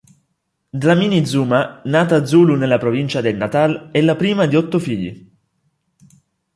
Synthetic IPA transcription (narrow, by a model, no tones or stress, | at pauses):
d̪ɾaminid̪zuːmanaːt̪aːd̪zːuːlunelːapɾovint͡ʃad̪elnat̪alɛlːapɾiːmad̪iɔt̪ːofiʎːḭ